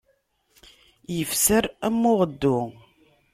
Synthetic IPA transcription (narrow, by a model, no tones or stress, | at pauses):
jəfsəɾæmːʊʁəd̪ːʊ